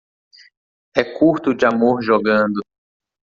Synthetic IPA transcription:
ɛkuɾt̪ʊd͡ʒɪamoɾʒɔɡɐ̃nd̪ʊ

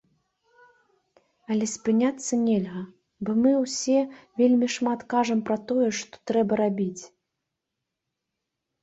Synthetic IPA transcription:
ɐlʲɛsʲpɨnʲat̪sːɐnʲɛlʲɣɐ | bɔmɨwsʲɛvʲelʲmʲiʂmat̪kaʐɐmpɾɐt̪ɔjɛʂt̪ɔ̥t̪ɾɛbɐɾabʲit͡sʲ

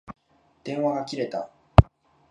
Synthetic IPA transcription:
d̪̥ẽ̞ɰ̃βaɡakʲiɾe̞t̪a

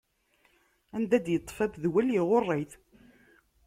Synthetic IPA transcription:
ænd̪æd̪jət̪ˤːfæbðwæljiʁorˤːeθ

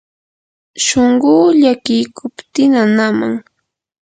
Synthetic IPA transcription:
ʃoɴɢʊːʎakɪjkʰʊpt̪ɪnanama̰ŋ

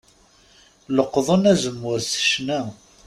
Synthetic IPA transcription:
ləqːðˤənæzəmːʊɾsə̥ʃnæ

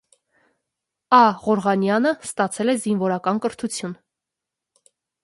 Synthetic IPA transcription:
ɑʁɔɾʁɑnjɑnəst̪ɑt͡sʰɛlɛzinvɔɾɑkɑnkəɾt̪ʰut͡sʰjun

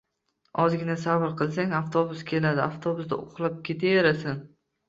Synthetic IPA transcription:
ɒzɡʲɪnasabɾqʰɨlˠs̬aŋaft̪ʰobʊskʲʰe̞lad̪ɪaft̪ʰobʊsd̪a̰ʊqlˠap̚kʲʰe̞t̪ʰajaɾasɪn

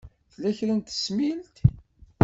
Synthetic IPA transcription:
θlæçɾənt̪ə̥smilt̪

